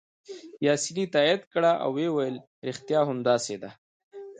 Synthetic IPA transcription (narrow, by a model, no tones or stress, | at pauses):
jɑːsinit̪aid̪kɽaʔa̰wːewajəl | ɾɪxt̪jɑɦʊmd̪ɑːsed̪a